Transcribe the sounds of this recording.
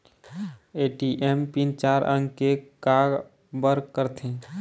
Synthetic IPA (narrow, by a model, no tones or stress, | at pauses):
eːʈiʔempint͡ʃaːɾʔə̰̃ŋɡkekaːɡ | bəɾkəɾt̪ʰẽː